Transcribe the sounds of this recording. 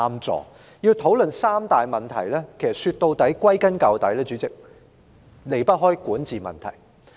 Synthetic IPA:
a˥mt͡sɔ̰ː˨˧ | jiː˧wt̪ʰo˨˥wlɵ˨nsaː˥mt̪aː˨jmɐ˨˩nt̪ʰɐ̰˨˩jlɛː˥kʰe˨˩jsɐ˨t̚syː˧t̪̚o˧wt̪ɐ˨˥jkʷɐ˥jkɐ˥nkɐ˨˧wt̪ɐ˨˥jlɛː˥t͡ʃyː˨˥t͡sɪ˨k̚ | le˨jpɐ˥t̚ɦɔː˥jkuː˨˥nt͡siː˨mɐ̰˨nt̪ʰɐ̰˨˩j

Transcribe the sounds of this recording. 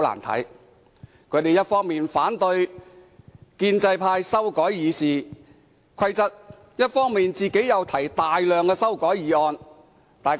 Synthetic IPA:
la̰ː˨˩nt̪ʰɐ̰˨˥j | kʰɵ˨˧ɥt̪e˨jɐ˥t̚fɔː˥ŋmiː˨nfaː˨˥nt̪ɵ˧ɥ | kiː˧nt͡sɐ˧jpʰaː˧jsɐ˥wkɔː˨˥jːiː˨˧siː˨˩ | kʰɐ˧jt͡sɐ˨˥t̚ | jɐ˥t̚fɔː˥ŋmiː˨nt͡siː˨ke˨˥jjɐ˨˧wt̪ʰɐ˨˩jt̪aː˨jlœː˨ŋkɛː˧sɐ˥wkɔː˨˥jjiː˨˧ɔː˧n | t̪aː˨jk

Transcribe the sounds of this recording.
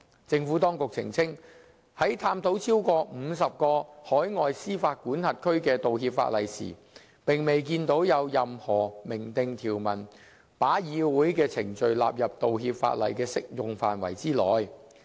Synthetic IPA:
t͡sɪ˧ŋfuː˨˥t̪ɔː˥ŋkʊ˨k̚t͡sʰɪ̰˨˩ŋt͡sʰɪ˥ŋ | hɐ˨˥jt̪ʰaː˧mt̪o˨˥wt͡sʰiː˥wkɔː˧m̩ː˨˧s̬ɐ˨p̚kɔː˧hɔː˨˥jŋɔː˨jsiː˥faː˧t̚kuː˨˥nhɐ˨t̚kʰɵ˥ɥkɛː˧t̪o˨whiː˧pfa̰ː˧t̚lɐ˨˩jsḭː˨˩ | pɪ˨˩ŋme˨˩jk̬iː˧nt̪o˨˥wjɐ˨˧wjɐ˨mhɔː˨˩mɪ˨˩ŋt̪ɪ˨ŋt̪ʰiː˨˩wmɐ˨˩n | paː˨˥jiː˨˧wuː˨˥jkɛː˧t͡sʰɪ˨˩ŋt͡ʃɵ˨ɥla̰ː˨p̚jɐ˨p̚t̪o˨wɦiː˧p̚fa̰ː˧˥t̚lɐ̰˨jkɛː˧sɪ˥k̚jʊ˨ŋfa̰ː˨nwɐ̰˨˩jt͡siː˥lɔ̰ː˨j

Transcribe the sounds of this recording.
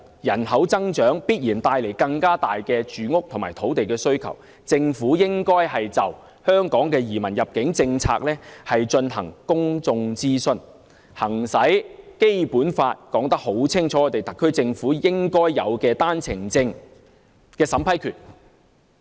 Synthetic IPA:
jɐ˨˩nhɐ˨˥wt͡sɐ˥ŋt͡ʃœː˨˥ŋpiː˥t̚jiː˨˩nt̪aː˧jle˨˩jkɐ˧ŋkaː˥t̪aː˨jkɛː˧t͡ʃyː˨ŋʊ˥k̚t̪ʰʊ˨˩maː˨˩jt̪ʰo˨˥wt̪e˨jkɛː˧sɵ˥ɥkʰɐ̰˨˩w | t͡sɪ˧ŋfuː˨˥jɪ˥ŋkɔː˥jhɐ˨jt͡sɐ˨w | hœː˥ŋkɔː˨˥ŋkɛː˧jiː˨˩mɐ˨˩njɐ˨p̚kɪ˨˥ŋt͡sɪ˧ŋt͡sʰa̰ː˧k̚lɛː˥hɐ˨jt͡ʃɵ˧nɦɐ˨˩ŋkʊ˥ŋt͡sʊ˧ŋt͡siː˥sɵ˧n | hɐ˨˩ŋsɐ˨˥jke˥jpuː˨˥nfaː˧t̚kɔː˨˥ŋt̪ɐ˥k̚ho˨˥wt͡sʰɪ˥ŋt͡ʃʰɔː˨˥ɔ˨˧˩t̪e˨˩jt̪ɐ˨kʰːɵ˥ɥt͡sɪ˧ŋfuː˨˥jɪ˥ŋkɔː˥jːɐ̰˨˧wkɛː˧t̪aː˥nt͡sʰɪ˨˩ŋt͡sɪ˧ŋ | kɛː˧sɐ˨˥mpʰɐ˥jkʰyː˨˩n̚

